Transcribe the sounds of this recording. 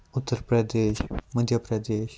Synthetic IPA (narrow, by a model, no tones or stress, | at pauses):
ut̪ːəɾpɾəd̪eːʃməd̪ʱjəpɾəd̪eːʃ